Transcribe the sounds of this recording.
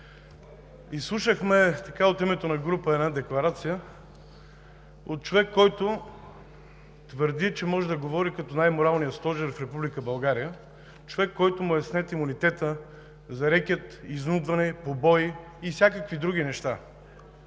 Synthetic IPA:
islˠuʃəxmɛt̪ɐkaot̪imɛt̪onɐɡɾupəɛd̪nad̪ɛklˠɐɾat̪sijə | ot̪̚t͡ʃovɛkːɔjt̪ʊ | t̪vəɾd̪it͡ʃɛmɔʒɛd̪ɐɡovɔɾikɐt̪ɔnajmoɾalˠnijəst̪ɔʒɛɾfɾɛpublikəbɐlˠɡaɾijə | t͡ʃovɛkːɔjt̪ʊmʊjɛsnɛt̪imunit̪ɛt̪ə | zɐɾɛkʲət̪iznud̪vɐnɛpobɔj | ifsʲjakəkvid̪ɾuɡ̟ʲinɛʃt̪a

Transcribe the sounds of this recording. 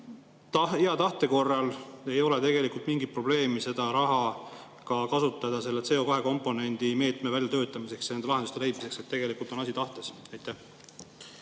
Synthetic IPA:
t̪iɑt̪ɑht̪e̞ko̞rːɑle̞jo̞le̞t̪e̞ɡ̥e̞likult̪miŋɡipro̞b̥le̞ːmise̞d̪̥ɑɾɑɦɑ | kɑkɑsut̪ːˑɑd̪̥ɑse̞lːet̪se̞ːo̞kɑɦe̞ko̞mpːˑo̞ne̞nʲd̪̥ime̞ːt̪me̞vælʲjɑt̪ø̞ːt̪ːˑɑmise̞ksjnend̪elɑɦed̪ust̪e̞le̞jd̪mise̞kse̞t̪ːe̞ɡ̥e̞likult̪ːˑo̞nɑsʲit̪ɑht̪e̞sɑjt̪ˑːæh

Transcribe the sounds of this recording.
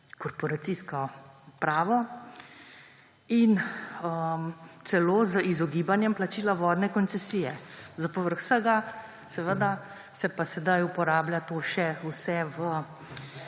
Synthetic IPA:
kɔɾpɔɾat̪siskɔpɾaːʋɔ | inəmt̪sɛloːzəʔizɔɡiːbanjɛmplat͡ʃiːlaʋɔːd̪nɛkɔntt͡s̪ɛsiːjɛzapɔʋəɾxsəɡa | sɛʋəd̪a | sɛpasɛd̪ajupɔɾaːblʲjat̪oːʃɛusɛʋə

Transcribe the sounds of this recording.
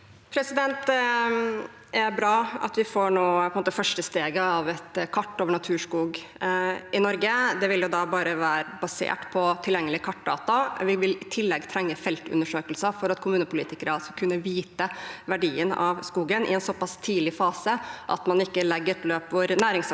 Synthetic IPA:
pʰɾɛsɪd̪ɛnt̪ | ʔæɾbɾɑːɑ̰t̪ʋɪfoːɳoːɔnmoːt̪əfœʂʈəst̪eːɡəɑʋɛt̪kʰɑʈːoːʋəɳɑt̪ʰʉːʂkuːɡ | ɪnɔɾɡəd̪ɛʋɪljʊd̪ɑbɑːɾəʋæːɾəbɑsḛːʈpʰɔt̪ʰɪljɛŋːəlɪkʰɑʈ̚ːɖɑ̰ːt̪ɑʋɪʋɪlɪt̪ʰɪlːɛɡt̪ʰɾɛŋːəfɛlt̪ʉ̰nːəʂøːkəlsəfɔɾɑt̪kʰʊmʉːnəpʰʊlḭːt̪ɪkəɾəɑlsɔkʰʉnːəʋiːt̪əʋæɖiːənɑ̰ʋskuːɡənʔɪ̰ɛnsɔpɑst̪ʰiːlɪfɑːsəʔɑ̰t̪mɑnɪkːəlɛɡːəɾløːpʋoːɾnæːɾɪŋs

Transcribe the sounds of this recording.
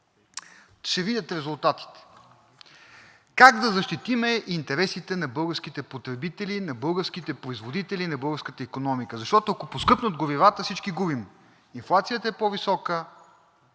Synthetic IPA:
ʃɛvid̪ʲət̪ɾɛzʊlˠt̪at̪i̥t̪ɛ̥ | kaɡd̪ɐzɐʃt̪it̪imɛʔint̪ɛɾɛsit̪ɛnɐbɤlˠɡəɾsk̟it̪ɛpot̪ɾɛbit̪ɛlinɐbɤlˠɡəɾsk̟it̪ɛpɾoizvod̪it̪ɛlinɐbɤlˠɡəɾskət̪əikonɔmikəzɐʃt̪ɔt̪oɐkoposkɤpnod̪ɡoɾivat̪əfsit͡ʃkiɡubim | inflˠat̪sijət̪əɛpɔvisɔkə

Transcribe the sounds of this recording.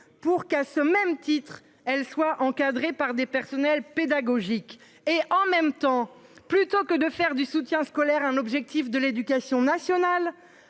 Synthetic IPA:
puʁkasəmɛmt̪it̪χ | ɛlswaʔɑ̃kad̪ʁepaʁd̪epɛʁsɔnɛlped̪aɡɔʒik | eʔɑ̃mɛmt̪ɑ̃ | plyt̪okəd̪əfɛʁd̪ysut̪jɛ̃skɔlɛʁɛ̃nɔbʒɛk̚t̪ifd̪əled̪ykasjɔ̃nasjɔnal

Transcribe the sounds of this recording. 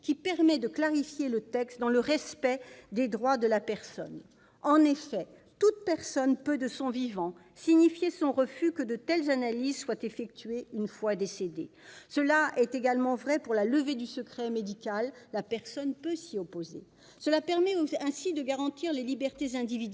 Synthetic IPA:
kʲipɛʁmɛd̪əklaʁifjelət̪ɛkst̪d̪ɑ̃ləʁɛspɛd̪ed̪ʁwad̪əlapɛʁsɔ̰n | ɑ̃nefɛ | t̪ut̪̚pɛʁsɔnpød̪əsɔ̃vivɑ̃ | siɲifjesɔ̃ʁəfykəd̪ət̪ɛlzanalizswat̪efɛk̚t̪ɥeynfwad̪esed̪ḛ | səlaʔɛt̪eɡalmɑ̃vʁɛpuʁlaləved̪ysəkχɛmed̪ikalːapɛʁsɔnpøsiɔpoze | səlapɛʁmɛɛ̃sid̪əɡaʁɑ̃t̪iʁlelibɛʁt̪ezɛ̃d̪ivid̪

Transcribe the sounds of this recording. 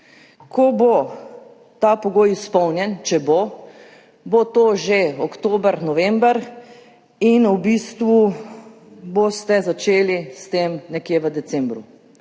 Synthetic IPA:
kʰɔbo | t̪apɔɡoːjispɔwnjɛnt͡ʃɛbo | bot̪oːʒeɔkt̪oːbəɾnɔʋɛmbəɾ | inubist̪ʋu | bost̪ɛzat͡ʃeːlist̪emnɛkjeːʋəd̪ɛsɛmbɾu

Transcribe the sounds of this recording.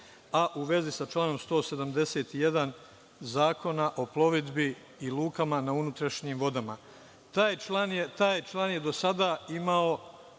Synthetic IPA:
aʔuʋe̞zisat͡ʃlˠaːno̞mst̪o̞ːse̞d̪amd̪e̞se̞ːt̪ijed̪an | zaːko̞naʔo̞plˠo̞ʋid̪bi | iluːkamanaunut̪ɾaʃɲiːmʋo̞d̪ama | t̪alaːnjet̪aːjt͡ʃlaːnje̞d̪o̞sad̪aimao̞

